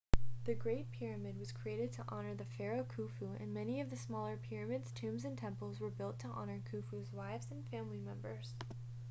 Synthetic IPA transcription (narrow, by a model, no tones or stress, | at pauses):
ðɨɡɹeɪt̚pʰɪɹɨmɨd̚wʌz̥kʰɹ̥ieɪɾɨd̚tʰəʔɑnə˞ðɨfɛɹoʊkʰufuɨ̰̃nmɛniʌvðɨsmɔlˠə˞pʰɪɹɨmɨdz̥tʰʉ̃mzɨ̃ntʰɛ̃mpl̩ˠzwə˞bɪlˠtʰəʔɑnə˞kʰʉfʉzwaɪvzɨ̃nfæ̃mlimɛ̃mbə˞z̥